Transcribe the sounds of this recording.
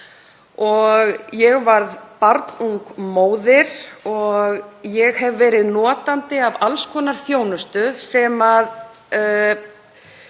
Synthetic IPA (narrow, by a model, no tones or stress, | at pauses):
ɔɣjɛɣvaɾðpaɾt̪nuŋkmoːwðɪɾ̥ɔɣjɛɣhɛvvɛːɾɪðnɔːt̪ant̪ɪavalskʰɔːnaɾ̥θjoːwnʏst̪ʏsɛːmað